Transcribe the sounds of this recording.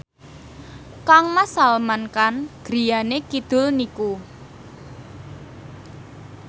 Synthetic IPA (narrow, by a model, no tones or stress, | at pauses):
kaŋmasalmankanɡ̥ɾijanekid̪̥ʊ̤lniku